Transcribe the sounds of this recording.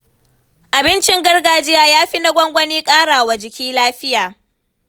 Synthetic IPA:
ʔa˨bɪ˦nt͡ʃɪ˦ŋɡɐ˦rɡaː˨d͡ʒɪ˦jaː˦jaː˦ɸi˦na˦ɡʷɔ˦ŋɡʷɐ˦niː˦kʼaː˦ɽaː˨wa˨d͡ʒɪ˨kʲiː˦laː˦ɸɪ˦jaː˨

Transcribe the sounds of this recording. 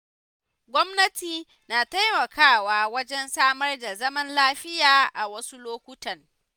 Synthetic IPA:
ɡʷɔ˦mnɐ˦tiː˨ | naː˨ta˦jmɐ˨kʰaː˦waː˦wɐ˦d͡ʒɛ˦nsaː˦mɐ˦rda˨zɐ˦mɐ˦nlaː˦ɸɪ˦jaː˨ʔa˨wɐ˦su˦loː˦kʷʊ˦tɐ˨ŋ

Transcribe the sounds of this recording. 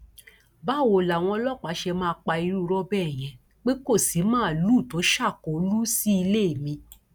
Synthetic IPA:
ba˦˨wo˨la˨w̃ɔ̃˧ɔ˧lɔ˦˨k͡pa˨˦ʃe˧mãː˦˧k͡pa˧i˧ɾu˦˧ɾɔ˦bɛ˦˨j̃ɛ̃˧ | k͡pe˦ko˦˨si˨˦mãː˦˨lu˦˨to˨˦ʃa˦˨kɔ˨o˦lu˦si˦i˧le˦e˦˨mĩ˧

